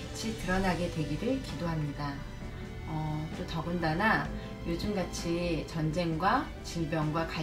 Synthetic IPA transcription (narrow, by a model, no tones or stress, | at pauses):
t͡ɕʰitɯɾʌnaɡe̞dwe̞ɡiɾɯɭkidoɦamɲida | ʌt͈otʌɡɯndana | jod͡ʑɯmɡat͡ɕʰit͡ɕʌnd͡ʑe̞ŋɡwa | t͡ɕiɭbjʌŋɡwaka